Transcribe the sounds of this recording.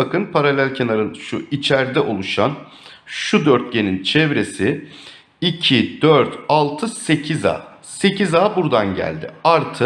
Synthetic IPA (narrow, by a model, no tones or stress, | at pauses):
akɯnpʰaɾalʲælʲcʰenaɾɯnʃuit͡ʃʰæɾd̪ɛʔo̞lˠuʃan | ʃud̪œɾt̪̚ɟe̞nint͡ʃʰɛvɾe̞sɪ | icʰid̪œɾt̪ʰalˠt̪ʰɯse̞cʰiza̰ː | se̞cizaːbuɾd̪anɟæ̰lʲd̪ɪ̰aɾt̪ʰɯ